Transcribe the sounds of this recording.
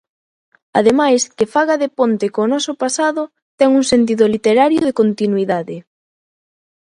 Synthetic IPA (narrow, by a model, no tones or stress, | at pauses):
a̰ðemajskɪfaɣaðɪpont̪ɪkoːnɔsʊpasaðʊ | t̪ɛŋuŋsent̪̬iðʊlit̪eɾaɾjoðekont̪inwiðaðɪ